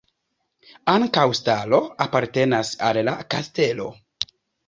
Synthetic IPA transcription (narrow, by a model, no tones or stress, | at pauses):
aŋkawstalo̞apaɾte̞nasalːakaste̞lo̞̰